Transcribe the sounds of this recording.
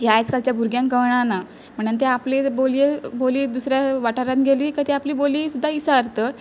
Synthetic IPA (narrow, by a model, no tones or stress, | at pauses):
jajt͡skalt͡ɕjabʱuɾɡjãŋkəɳ̃ana | m̤əɳənt̪̬eapleboljeboliːd̪usɾjaʋaʈaɾãt̪ɡʱeliːkəd̪iapliːboliːsud̪ʱːaisaɾt̪əː